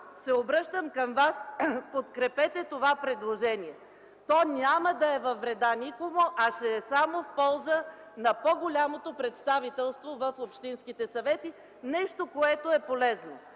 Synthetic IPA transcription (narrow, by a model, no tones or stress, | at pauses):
sɛobɾəʃt̪əmkəmvaspot̪kɾɛpɛt̪ɛt̪ovapɾɛd̪lˠoʒɛniɛ | t̪ɔnʲaməd̪ɐɛvɐvɾɛd̪anʲikomoʔɐʃɛːsamofpɔlˠzə | nɐpoɡolʲamot̪opɾɛt̪st̪avit̪ɛlˠst̪vovəfopʃt̪inskit̪ɛsɐvɛt̪i | nɛʃt̪okoɛt̪oɛpolɛzno